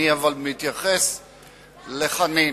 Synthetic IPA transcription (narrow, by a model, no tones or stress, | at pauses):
iavalmit̪jaχes | le̞χani